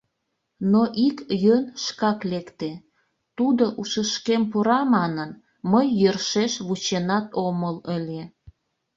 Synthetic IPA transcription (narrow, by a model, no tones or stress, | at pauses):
noʔikjønʃkɑklekt̪e | t̪ud̪oʔuʃəʃkempuɾɑmɑnən | məjːørʃeʃβut͡ɕenɑt̪omələlʲe